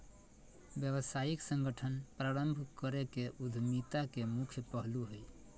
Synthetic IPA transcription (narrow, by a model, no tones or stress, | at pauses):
bjəbəsaiksə̃ŋɡəʈʰənpɾaɾəmbʱkəɾekeʔud̪ʱmit̪akemukʰjəpəɦluɦəj